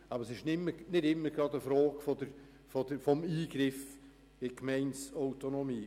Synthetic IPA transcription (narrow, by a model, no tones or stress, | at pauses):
ɑbəɾsɪʃnɪmːənɪdɪmːəɡɾɑdəfɾɔːɡ̥fɔd̪əɾ | fɔd̪əfɔmiːɡɾɪf | ɪkmɛɪnsɔwt̪onɔmiː